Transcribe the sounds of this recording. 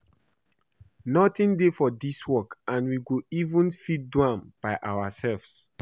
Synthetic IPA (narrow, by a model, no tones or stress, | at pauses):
nɔtĩndefɔdiswɔkãnwiɡoivũnfit̚dwãmb̥aɪʔawasɛlvs